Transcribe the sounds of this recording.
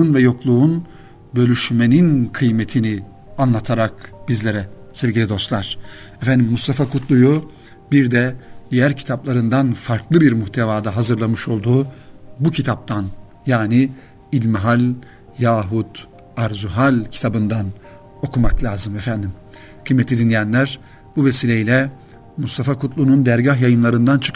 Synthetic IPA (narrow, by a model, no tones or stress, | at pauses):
unvɛjo̞klˠuːn | bø̞lʲyʃme̞ninkʰɯjmet̪ʰini | anlˠat̪ʰaɾak̚bizlʲe̞ɾɛsevɟilʲid̪o̞st̪lˠaɾ̥ | ɛfænd̪imːust̪ʰafakʰut̪ʰlˠuju | biɾd̪ɛd̪ijæɾcʰi̥t̪ʰaplˠaɾɯnd̪anfaɾklˠɯbiɾmuçt̪ʰevaːd̪aɦazɯɾlˠamɯʃo̞lˠd̪uːbucʰit̪ʰap̚t̪ʰan | jaːnɪ | ilʲmiɦalʲ | jaːɦud̪ | aɾzuɦalʲcʰi̥t̪ʰabɯnd̪an | o̞kʰumaklʲaːzɯmefænd̪im | kʰɯjmːet̪ʰid̪inlejænlʲæɾ | buvesilʲeilʲɛ | must̪ʰafakʰut̪lˠunund̪æɾɟahjajɯnlˠaɾɯnd̪ant͡ʃʰɯ̥kʰ